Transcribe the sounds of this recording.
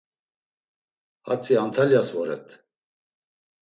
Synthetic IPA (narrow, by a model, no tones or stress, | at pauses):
a̰t͡sʼiant̪ʰaljasvɔɾɛ̰t̪ʰʼ